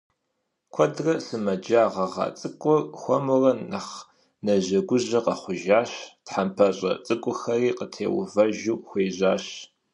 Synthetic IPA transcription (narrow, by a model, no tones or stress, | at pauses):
kʷʰɔdrɐsɨmɐd͡ʒaːʁɐʁɑ̰ːt͡sʼɨkʷʼʊxʷɔmʊrɐnɐχ | nɐʑɐɡʷʊʑɐqɐχʷʊʒaːɕtħampʰɐɕʼɐ̰t͡sʼɨkʷʼʊxɐriːqətʰḛːwʊvɐʒuːxʷeːʑaːɕ